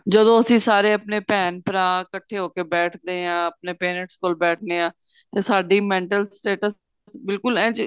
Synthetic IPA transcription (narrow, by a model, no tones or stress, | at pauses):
d͡ʒəd̪õːəsĩːsaːɾeːəpneːpɛːnpɾãːkəʈʰeːɦoːkeːbɛːʈʰd̪eːãːəp̚neːpeːnəʈskoːlbɛːʈ̚ʰneːãː | t̪eːsaːɖiːmɛ̃ːɳʈəlsʈeːʈəs | sbɪlkʊlɛ̃ːt͡ʃ